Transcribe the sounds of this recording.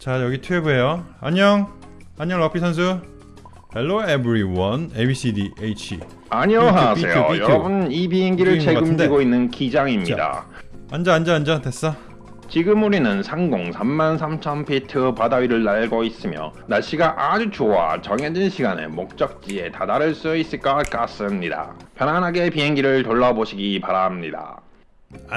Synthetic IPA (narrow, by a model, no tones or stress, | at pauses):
t͡ɕajʌɡitʰueboejoaɲʌŋ | aɲʌŋlʌpʰisʰʌns̬ʰu | helːoebɾiwʌnebis͈ʰidiʔeit͡ɕʰḭ | aɲiʌɦapse̞̰jo̰jʌɾʌbunibiinɡiɾɯɭt͡ɕʰeɡɯmdeɡoinːɯnkid͡ʑaŋimɲida̰ | and͡ʑʌand͡ʑʌːnd͡ʑʌtʰes͈ʌ | t͡ɕiɡɯmuɾinɯnsʰaŋɡoŋsʰamːansʰamt͡ɕʰʌmpʰitʰɯpadaɥiɾɯɭːaɭɡois͈ɯmjʌ̰naɭɕ͈iɡaʔad͡ʑut͡ɕowa̰t͡ɕʌŋed͡ʑinɕʰiɡanḛmok̚t͡ɕ͈ʌk̚t͡ɕ͈ie̞tadaɾɯɭs͈uis͈ɯɭk͈ʌk͈as͈ɯmɲida̰pjʌnanɦaɡe̞piɦe̞ŋɡiɾɯɭtoɭːʌboɕʰiɡipaɾamɲida̰